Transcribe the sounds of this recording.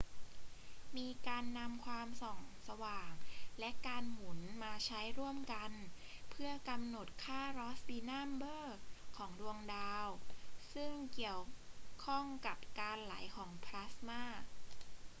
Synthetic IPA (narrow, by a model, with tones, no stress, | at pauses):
miː˧kaː˧nːa˧mkʰwaː˧msɔː˨˩ŋsa˧waː˨˩ŋlɛ˦˥ʔkaː˧nŋu˩˦nmaː˧t͡ɕʰa˦˥jɾu˥˩əmka˧n | pʰɯ˥˩ɐka˧mno˨˩t̪̚kʰaː˥˩ɾɔː˦˥sdiː˧naː˥˩mbɤː˥˩kʰɔː˩˦ŋdu˧əŋdaː˧wsɯ˥˩ŋki˨˩əwkʰɔ˥˩ŋka˨˩p̚kaː˧nla˩˦jkʰɔː˩˦ŋpʰɾa˦˥smaː˥˩